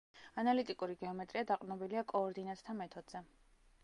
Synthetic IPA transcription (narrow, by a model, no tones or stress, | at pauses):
analit̪ʼikʼuɾiɡɛɔmɛt̪ʼɾiad̪aqʼnɔbiliakʼɔːɾd̪inat̪sʰt̪ʰamɛt̪ʰɔd̪z̥ɛ